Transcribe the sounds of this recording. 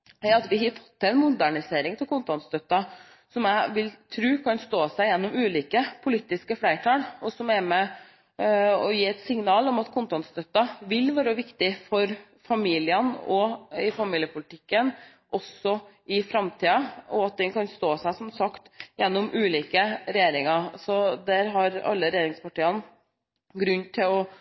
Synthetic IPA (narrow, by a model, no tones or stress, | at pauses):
ɑt̪ʋɪɦɑfɔ̥t̪ːɛɪnmʊd̪æɳɪseːɾɪŋt̪ʰɪlkʰʊnt̪ɑnt̪st̪œt̪ːɑ | sɔmæɪʋɪlt̪ʰɾʉːkʰɑnst̪oːsæɪjɛnːɔmʉːliːkəpʰʊliːt̪ɪskəflæɪʈʰɑːlɔsɔmæɾmɛ | ɔjiːɛt̪sɪŋnɑːlɔmɑt̪kʰʊnt̪ɑnt̪st̪œt̪ːɑʋɪlʋæːɾəʋɪkt̪ɪfɔɾ | fɑmiːlɪənɔɪfɑmiːljəpʰʊlət̪ʰɪkːən | ʔɔsɔʔɪfɾɑmt̪ʰiːɑɔɑt̪̚d̪ɛnkʰɑnst̪oːsæɪsɔmsɑkt̪jɛnːɔmʔʉːliːkəɾɛjeːɾɪŋɑɾsɔd̪æɾɦɑɾɑ̰lːəɾɛjeːɾɪŋspɑʈiːɑn | ɡɾʉnːt̪ʰɪlɔ